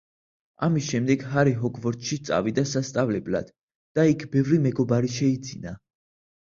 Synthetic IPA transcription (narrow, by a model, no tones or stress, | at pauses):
amisʃɛmd̪ɛɡɦaɾiɦɔɡʰvɔɾt̪ʃit̪sʼa̰vid̪asast̪sʼavlɛbla̰d̪̥ | d̪̥aikʰbɛvɾimɛɡɔbaɾiʃɛid̪zina